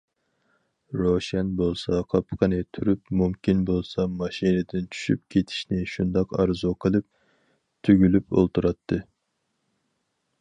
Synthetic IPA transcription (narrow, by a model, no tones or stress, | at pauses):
ɾoʃɛnbolˠsɑqʰɑpʰqʰənɨt̪ʰyɾypmumkʲinbolˠsɑmɑʃinɨd̪ɪnt͡ʃʰy̥ʃy̰p̚kʲʰet̪ʰi̥ʃnɪʃund̪ɑqɑɾzuqʰəlˠɨp̚ | t̪ʰyɡʲylypo̰lˠt̪ʰuɾɑt̪ʰːɨ